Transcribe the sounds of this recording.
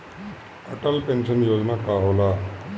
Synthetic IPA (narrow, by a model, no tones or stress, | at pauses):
əʈəlpensənjoːd͡znakaɦola